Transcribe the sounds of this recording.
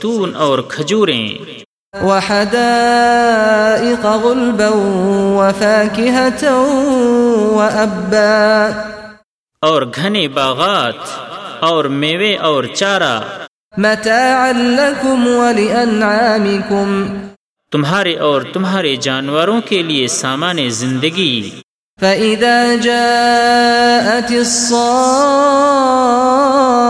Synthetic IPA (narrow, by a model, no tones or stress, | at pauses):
t̪uːnɔːɾkʰɐd͡ʒuːɾḛ̃ː | waħad̪aː | ʔɪqɣʊlbawwafaːkɪɦat̪w | waʔabːaː | ɔːɾɡʱɐnebaːɣaːt̪ɔːɾmeːweʔɔːɾt͡ʃaːɾa̰ | mat̪aːʕalːakʊmwalɪʔanʕaːmɪkʊm | t̪ʊmɦaːɾeʔɔːɾt̪ʊmɦaːɾed͡ʒaːnwəɾõkeliesaːmaːnezɪ̃nd̪əɡi | faʔɪðaːd͡ʒaː | ʔat̪ɪsˤːɑː